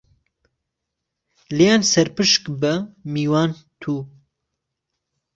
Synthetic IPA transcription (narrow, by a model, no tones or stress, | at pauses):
lijaːnsɛɾpɨʃkbɐmiːwaːnt̪ʰuː